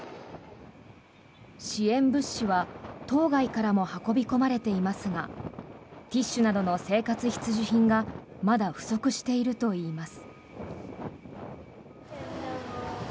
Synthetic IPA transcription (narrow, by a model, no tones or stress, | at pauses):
ɕiẽ̞mbɯ̟ɕːiβat̪o̞ːɡaikaɾamo̞hako̞bʲiko̞maɾe̞t̪e̞imasɨɡa | t̪ʲiɕːɨnad̪o̞no̞se̞ːkat͡sɨçʲi̥t͡sɨʑiçĩŋɡa | mad̪aɸɯ̟̥so̞kɯ̟ɕi̥t̪e̞iɾɯ̟t̪o̞iːmasɨ̥